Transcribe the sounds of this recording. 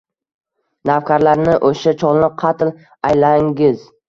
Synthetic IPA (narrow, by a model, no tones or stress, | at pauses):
nafkʲʰaɾlaɾnɪʔoʃat͡ʃʰɒlˠlɪqʰɑt̪ɪl | ajlaŋɡʲɪz